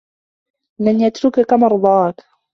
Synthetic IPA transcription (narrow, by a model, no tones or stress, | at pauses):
lanjat̪ɾʊkakamɑɾˤd̪ˤɑːk